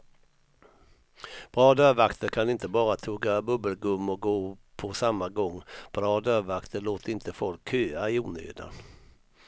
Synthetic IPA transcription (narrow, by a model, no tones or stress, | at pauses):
b̥ɾɑːd̪œːvakt̪əkʰanɪnt̪əbɑːɾat̪ʰuːɡabɵbəlɡɵmːɔɡoːpʰɔsamːaɡɔŋːb̥ɾɑːd̪œːvakt̪ʰəloːt̪ʰəɾɪnt̪əfɔlkhøːaɪuːnø̰ːd̪a̰